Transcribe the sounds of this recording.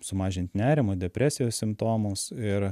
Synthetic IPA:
sʊmɑːʒʲɪnʲt̪ʲnʲæːɾʲɪmod̪ʲɛpʲɾʲæːsʲɪjoːssʲɪmpt̪oːmoːsɪɾ

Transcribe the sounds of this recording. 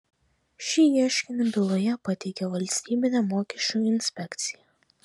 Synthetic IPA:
ʃʲiiɛʃʲkʲɪnʲɪbʲɪlˠojɛpɐt̪ʲɛɪkʲɛʋɐlʲsʲt̪ʲiːbʲɪnʲɛmoːkʲɛʃʲt͡ʃʲujɪnʲsʲpʲɛkʲt̪sʲɪjɛ

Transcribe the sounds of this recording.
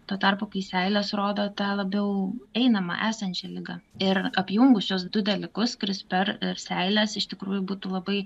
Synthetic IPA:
t̪oːt̪ɐrpoːkɐɪsʲɛɪlʲɛsɾoːd̪oːt̪ɑːlˠɐbʲɛʊɛɪnɐmɐ̰ʔæːsɐnʲt͡ʃʲɛlʲɪɡɐɪɾɐpʲjʊŋɡʊsʲusd̪ʊd̪ʲɛlʲɪkʊskʊɾʲɪspʲɛɾɪɾsʲɛɪlʲɛsɪʃt̪ʲɪkɾuːjʊbuːt̪uːlˠɐbɐɪ

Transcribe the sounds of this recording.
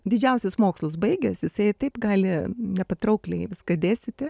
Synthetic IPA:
d̪ʲɪd͡ʒʲɛʊsʲʊsmoːkslˠʊsbɐɪɡʲɛsjɪsɐɪt̪ɐɪpɡɑːlʲɪnʲɛpɐt̪ɾɐʊklʲɛɪʋʲɪskɐd̪ʲeːsʲtʲɪt̪ʲɪ

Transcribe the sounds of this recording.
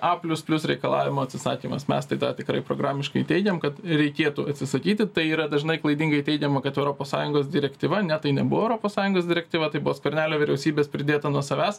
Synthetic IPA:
ɑpʲlʲʊspʲlʲʊsɾʲɛɪkɐlˠɑ̰ːʋʲɪmoːɐtʲsʲɪsɑːkʲiːmɐ̰smʲɛ̰st̪ɐɪd̪ɑːt̪ʲɪkɾɐɪpɾo̰ːɡɾɑːmʲɪʃkɐɪt̪ʲɛɪɡʲɛmkɐt̪ɾʲɛɪkʲeːt̪uɐt̪ʲsʲɪsɐkʲiːt̪ʲɪt̪ɐɪiːɾɐd̪ɐʒnɐɪklˠɐɪd̪ʲiŋɡɐɪt̪ʲɛɪɡʲɛmɐkɐt̪ɛʊɾoːpoːsɑ̰ːjʊŋɡoːsd̪ʲɪɾʲɛkt̪ʲiːʋɐnʲɛt̪ɐɪnʲɛbʊʋoɛʊɾoːpoːsɑːjʊŋɡoːsd̪ʲɪɾʲɛk̚ʲtʲiːʋɐt̪ɐɪbʊʋoːskɐɾʲnʲæːlʲoːʋʲɪɾʲɛʊsʲiːbʲeːspʲɾʲɪd̪ʲeːt̪ɐnuɔsɐʋʲæːs

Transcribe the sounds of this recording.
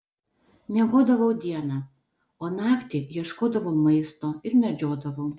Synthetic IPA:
nʲɛɣoːd̪ɐʋɐwd̪ʲiɛnɑ | onɑkt̪ʲikjiɛʃkoːd̪ɐʋɐwmɐɪst̪oɪɾmʲɛd͡ʒʲoːd̪ɐʋɐw

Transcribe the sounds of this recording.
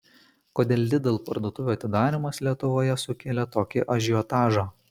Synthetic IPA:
koːd̪ʲeːlʲd̪ʲɪd̪ʲeːlˠpɐɾd̪oːt̪ʊʋʲuːɐt̪ʲɪd̪ɑːɾʲɪmɐslʲiɛt̪ʊʋoːjɛsʊkʲeːlʲɛt̪oːkʲɪʔɐʒʲɪjɔt̪ɑːʒɑ

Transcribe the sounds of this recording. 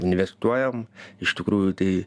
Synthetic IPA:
ɪnʲʋʲɛst̪uɔjɛmɪʃt̪ʲɪkɾuːjʊt̪ɐɪ

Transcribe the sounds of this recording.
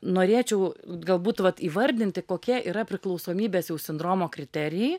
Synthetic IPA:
noːɾʲeːt͡ʃʲɛʊɡɐlˠbuːt̪ʋɐt̪iːʋɐɾʲd̪ʲɪnʲt̪ʲɪkoːkʲɛʔiːɾɐpʲɾʲɪklˠɐʊsoːmʲiːbʲeːsjɛʊsʲɪnd̪ɾoːmoːkɾʲɪt̪ʲɛɾʲɪjɛɪ

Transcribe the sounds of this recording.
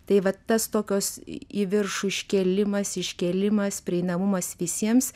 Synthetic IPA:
t̪ɐɪʋɐt̪ɐst̪oːkʲoːsiʋʲɪrʃuɪʃʲkʲɛlʲɪmɐsɪʃʲkʲɛlʲɪmɐspʲɾʲɪɛɪnɐmʊmɐsʋʲɪsʲiɛms

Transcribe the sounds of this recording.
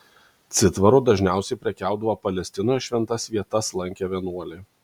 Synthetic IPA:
t̪sʲɪt̪ʋɐɾuːd̪ɐʒʲnʲæˑʊsʲɛɪpʲɾʲɛkʲæˑʊd̪ɐʋopɐlʲɛsʲt̪ʲɪnoːjʃʲʋʲɛnt̪ɐsʋʲiɛt̪ɐslˠɐŋʲkʲɛʋʲɛnuɔlʲɪ

